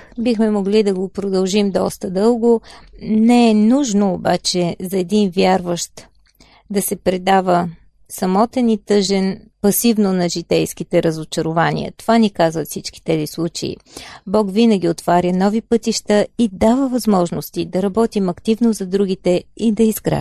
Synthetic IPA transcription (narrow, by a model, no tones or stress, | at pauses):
bixmɛmoɡlid̪ɐɡopɾod̪ɐlˠʒimd̪ɔst̪əd̪ɤlˠɡonɛɛnuʒnoːbat͡ʃɛzɐɛd̪invʲjaɾvəʃt̪ | d̪ɐsɛpɾɛd̪avə | sɐmɔt̪ɛnit̪ɤʒɛnpɐsivnonɐʒit̪ɛjskit̪ɛɾəzot͡ʃɐɾʊvanḭə̰t̪ovanikazvət̪fsit͡ʃki̥t̪ɛzislˠut͡ʃeḭbɔkvinəɡʲiot̪vaɾʲənɔvipɤt̪iʃt̪əid̪avəvɐzmɔʒnost̪id̪ɐɾɐbɔt̪imɐkt̪ivnozɐd̪ɾuɡit̪ɛid̪ɐizɡɾa̰